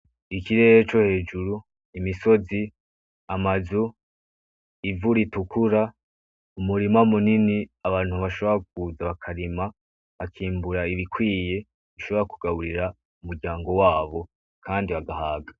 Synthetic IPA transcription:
ikiɾe̞ɾet͡ʃo̞he̞ːd͡ʒuɾu | imiso̞zi | amazu | ivuɾitukʰuɾa | umuɾimamuniniaβaːn̥huβaʃo̞βoɾak̚uzaβakʰaɾima | βakʰiːmbuɾaiβikwiːje̞ | iʃo̞βo̞ɾakuɡaβuɾiɾa | umuɾɟaːŋɡo̞waːβo̞ | kʰaːndiβaɡahaːɡa

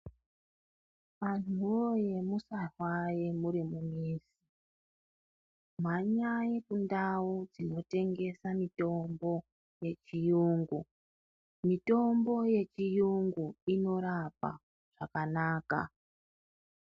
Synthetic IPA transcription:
ʋan̤uʋo̞je̞musarwajemuɾimumiːsi | m̤aɲajekundawud͡zino̞te̞ŋɡe̞samito̞mbo̞ | je̞t͡ʃijuːŋɡu | mito̞mbo̞je̞t͡ʃijuŋɡuino̞ɾapa̰ | ʐ̥akanaːka̰

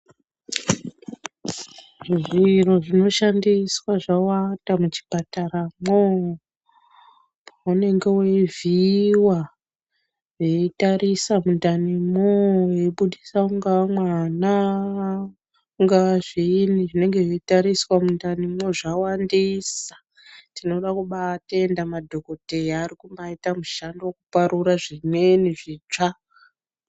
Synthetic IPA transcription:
ʐiʐiro̞ʐino̞ʃandiswaʐawandamut͡ʃi̥pataramo | paune̞ŋɡe̞weviwa | ʐeitaɾisamundanimojeɓuɗisauŋɡamwana | ŋɡaʐiniʐine̞ŋɡe̞ʐetaɾiswamundanimo̞ʐawandisḁ | tino̞ɗakuɓateendamadʱo̞ko̞te̞jaːɾikumbaitamuʃandowokupaɾuɾaʐimwe̞niʐiːt͡ʂa

